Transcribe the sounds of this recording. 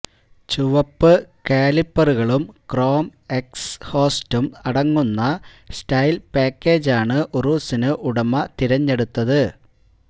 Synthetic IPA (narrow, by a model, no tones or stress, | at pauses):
t͡ɕuʋɐpːɨkeːlipːɐruɣɐɭumkro̞ːmeksho̞ːstumɐɽɐŋːunːɐ | stɐjlpaːkʲːe̞ːd͡ʑaːɳɨʔuruːsinɨʔuɽɐmɐt̪iɾɐɲːe̞ɽut̪ːɐðɨ